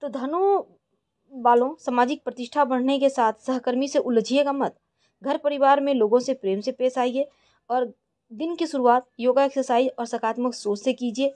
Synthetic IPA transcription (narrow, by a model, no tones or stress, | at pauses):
t̪od̪ʱɐnu | baːlõsəmaːd͡ʒɪk̚pɾət̪ɪʃʈʰabəɽ̤nekesaːt̪ʰsəɦkəɾmiseʔʊld͡ʒʱiekamət̪̚ | ɡʱəɾpəɾɪʋaːɾmẽloːɡõsepɾeːmsepeːsaːie | ɔːɾ | d̪ɪnkesʊɾuaːt̪̚joːɡaeksəsaːiɔːɾsəkʰaːt̪məksoːsekiːd͡ʒieː